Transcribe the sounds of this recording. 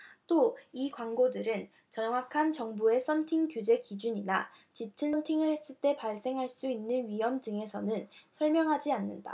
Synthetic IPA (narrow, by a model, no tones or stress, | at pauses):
t͈oikwaŋɡodɯɾɯn | t͡ɕʌŋwakʰant͡ɕʌŋbue̞s͈ʰʌntʰiŋkjud͡ʑe̞kid͡ʑuɲina | t͡ɕitʰɯnʌntʰiŋɯɭhe̞s͈ɯɭt͈e̞paɭs͈e̞ŋɦaɭs͈uinːɯnɥijʌmdɯŋe̞sʰʌnɯnsʰʌɭmjʌŋɦad͡ʑianːɯnda̰